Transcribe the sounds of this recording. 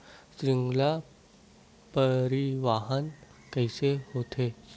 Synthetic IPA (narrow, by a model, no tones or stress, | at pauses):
sɾiŋɡla | pəɾiʋaɦən | kajsehot̪ʰe